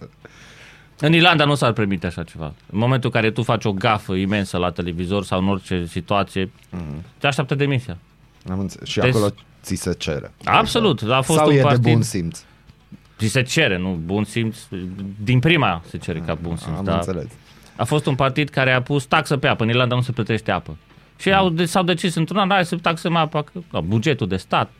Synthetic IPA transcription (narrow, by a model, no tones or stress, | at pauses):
ɨnirland̪anusarpe̞rmit̪eaʃat͡ʃe̞va̰ɨ̰nmoment̪ulɨŋkaɾe̞t̪ufat͡ʃʲo̞ɡafəime̞nsəlat̪e̞le̞vizo̞rsawɨno̞rt͡ʃe̞sit̪uat̪sije̞ | t̪eaʃ̬t̪ʲap̚t̪əd̪e̞misija | amɨnt̪sʃiaeolo | t̪siset͡ʃḛɾḛa̰bso̞lut̪afosuepaɾbinsimt̪s | t͡ʃise̞t͡ʃe̞ɾe̞nubunsimt̪sd̪inpɾimase̞t͡ʃe̞ɾekabunsḭmt̪d̪a̰seles | a̰fo̞st̪unpart̪id̪kaɾe̞apust̪aksəpeapəɨnirland̪anuse̞plət̪ɾe̞ʃt̪eapə | ʃiawd̪esawd̪e̞t͡ʃisɨnt̪ɾunaaeset̪aksəmapakəabud͡ʒe̞t̪ud̪e̞st̪at̪̚